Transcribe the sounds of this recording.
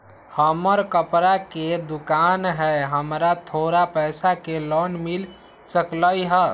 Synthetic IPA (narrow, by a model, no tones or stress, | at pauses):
həməɾkəpɾaked̪ukanɦɛɦəmɾat̪ʰoɾapɛɪsakelɔnmil | səkləjɦə